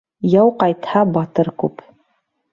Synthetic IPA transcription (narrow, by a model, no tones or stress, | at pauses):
jɑwqɑjt̪hɑbɑt̪ɤɾkʉp